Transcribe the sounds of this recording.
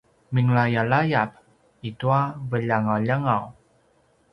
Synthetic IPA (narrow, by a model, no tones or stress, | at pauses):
miŋlajalajap | ituavəʎaŋawʎaŋaw